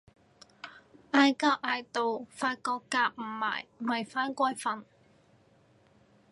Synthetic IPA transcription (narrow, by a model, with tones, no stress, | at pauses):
ʔaː˧jkaː˧p̚ʔaː˧jt̪o˨wfaː˧t̚kɔː˧kːaː˧p̚m̩˨˩ma̰ː˨˩jwɐ˨˩jfaː˥nkʷɔː˥jfɐ˨˧n